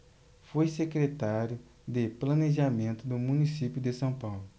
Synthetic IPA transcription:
fojsekɾet̪aɾjʊ | d̪eplɐ̃neʒamẽnt̪ʊd̪ʊmũnisipjʊd̪ɪsɐ̃w̃pawlʊ

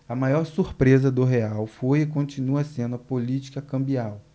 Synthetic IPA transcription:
ɐmajɔɾsuɾpɾezɐd̪ʊɦeawfojɪkõnt͡ʃinuɐsẽnd̪ʊɐpolit͡ʃi̥kɐkɐ̃mbiaw

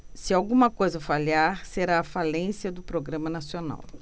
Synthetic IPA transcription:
sɪawɡũmɐkojzɐfaliaɾseɾaːfalẽsiɐd̪ʊpɾoɡɾɐ̃mɐnasiona̰w

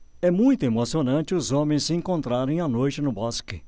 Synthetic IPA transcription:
ɛmũj̃t̪ʊemosionɐ̃nt͡ʃɪʊzõmẽsɪẽŋkõnt̪ɾaɾẽj̃ɐnojt͡ʃɪnʊbɔskɪ

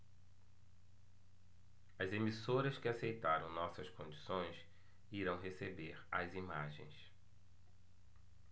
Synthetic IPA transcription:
ɐzemisoɾɐskɪasejt̪aɾɐ̃w̃nɔsɐskõd͡ʒisõj̃s | iɾɐ̃w̃ɦesebeɾɐ̰zima̰ʒḛ̃j̃s

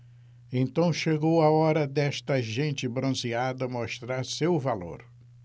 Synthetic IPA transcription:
ẽnt̪ɐ̃w̃ʃeɡowɐɔɾɐd̪ɛʃt̪ɐʒẽnt͡ʃɪbɾõziad̪ɐmoʃt̪ɾaɾsewvalo̰ɾ

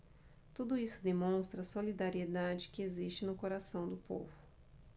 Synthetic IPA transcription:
t̪ud̪ʊisʊd̪emõst̪ɾɐsolid̪aɾied̪ad͡ʒɪkɪezist͡ʃɪnʊkoɾasɐ̃w̃d̪ʊpo̰vʊ

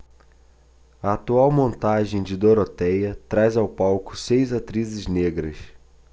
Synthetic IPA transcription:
ɐat̪uawmõnt̪aʒẽj̃d͡ʒɪd̪oɾot̪ɛjɐt̪ɾajzawpawkʊ̥sejzat̪ɾizɪzneɡɾɐs

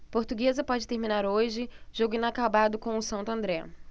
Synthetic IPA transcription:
poɾt̪uɡezɐpɔd͡ʒɪt̪eɾmĩnaɾoʒɪʒoɡʊĩnakabad̪ʊkõw̃ʊsɐ̃nt̪ʊɐ̃nd̪ɾɛ

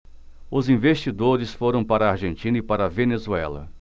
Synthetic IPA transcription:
ʊzĩvest͡ʃid̪oɾɪsfoɾɐ̃w̃paɾɐːɾʒẽnt͡ʃĩnɐɪpaɾɐvenezuɛ̰lɐ̰

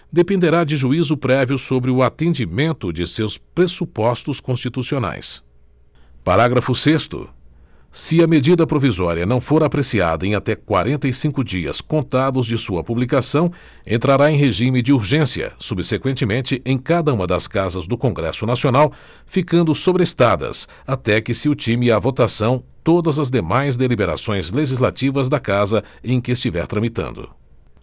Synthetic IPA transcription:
d̪epẽnd̪eɾad͡ʒɪʒuizʊpɾɛviʊsobɾɪʊat̪ẽd͡ʒimẽnt̪ʊd͡ʒɪsewspɾesupɔst̪ʊskõst͡ʃit̪usiona̰js | paɾaɡɾɐfʊsest̪ʊ̰ | sɪɐmed͡ʒid̪ɐpɾovizɔɾiɐnɐ̃w̃foɾapɾesia̰d̪ɐẽj̃at̪ɛkwa̰ɾẽnt̪ɐisĩŋkʊd͡ʒiɐ̰skõnt̪ad̪ʊzd͡ʒɪsuɐpublikasɐ̃w̃ | ẽnt̪ɾaɾaẽj̃ɦeʒimɪd͡ʒɪuɾʒẽsiɐ̰subsekwẽnt͡ʃɪmẽnt͡ʃɪʔẽj̃kad̪ɐũmɐd̪ɐ̰skazɐzd̪ʊkõɡɾɛ̰sʊnasionaw | fikɐ̃nd̪ʊsobɾest̪ad̪ɐ̰s | at̪ɛkɪsɪʊt͡ʃimɪavot̪asɐ̃w̃t̪od̪ɐzɐzd̪emajzd̪elibeɾa̰sõj̃zleʒizlat͡ʃivɐzd̪ɐkazɐ | ẽj̃kɪɪst͡ʃivɛ̰ɾt̪ɾɐ̃mit̪ɐ̰̃nd̪ʊ̰

